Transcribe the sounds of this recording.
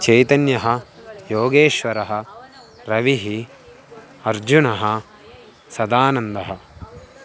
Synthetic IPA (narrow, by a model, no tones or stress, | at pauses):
t͡ʃɐjt̪ɐnjɐɦɐjoːɡeːʃʋɐɾɐɦɐ̆ | ɾɐʋiɦi | ɐɾd͡ʒunɐɦɐ | sɐd̪aːnɐnd̪ɐɦɐ